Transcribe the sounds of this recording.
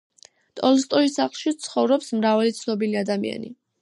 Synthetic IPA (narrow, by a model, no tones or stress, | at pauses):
t̪ʼɔlˠst̪ʼɔisaχlˠʃit̪sʰχɔvɾɔpsmɾavalit̪sʰnɔbiliad̪amḭa̰nḭ